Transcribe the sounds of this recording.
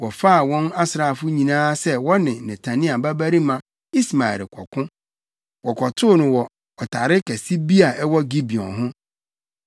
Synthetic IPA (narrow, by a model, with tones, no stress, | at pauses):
wɔ˨fa˦a˨wɔ̃˦na˦sɾa˨fʊ˦ɲĩ˨nãː˦sɛ˦wɔ˦nɪ̃˨nɪ̃˨tʰa˨nĩ˦a˨ba˦bæ˦ɾi˦mã˨ | i˦sma˨ɛ̰˨ɾkʷʰɔ̰˨kʰʊ̃˦ | wɔ˨kʰʷɔ˨tʰʊ˦˨nʊ̃˨wɔ˨ | ɔ˨tʰa˨ɾɪ˦kʰɛ˨si˦bi˦a˨ʔɛ˦wɔ˦ɡi˦bi˨ɔ̰̃˨ɦʊ̃˦